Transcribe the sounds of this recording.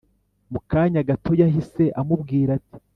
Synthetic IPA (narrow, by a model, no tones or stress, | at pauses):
mukaːɲaɡatʰo̞jaɦise̞ʔamubɡiːɾati̥